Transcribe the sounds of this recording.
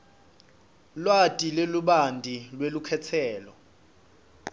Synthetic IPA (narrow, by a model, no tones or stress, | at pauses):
lwatʼileluɓandʱilwelukʰɛt͡sʰɛːlɔ